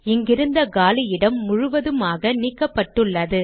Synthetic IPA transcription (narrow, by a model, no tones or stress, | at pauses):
ɪŋɡɪɾɯnd̪ɐɡaːlɪjɪɽɐmːʊɻʊʋɐðɯmaːɣɐniːkːɐpːɐʈːɯɭːɐðɯ